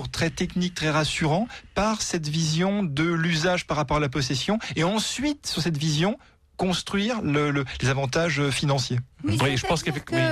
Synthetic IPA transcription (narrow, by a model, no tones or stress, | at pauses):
ʁt̪χɛt̪ɛknik̚t̪χɛʁasyʁɑ̃paʁsɛt̪vizjɔ̃d̪əlyzaʒpaʁːapɔʁalap̬ɔsesjɔ̃eɑ̃sɥit̪syʁsɛt̪vizjɔ̃ | kɔ̃st̪χɥiʁlələlezavɑ̃t̪aʒøfinɑ̃sjewiʒəpɑ̃skɛfɛ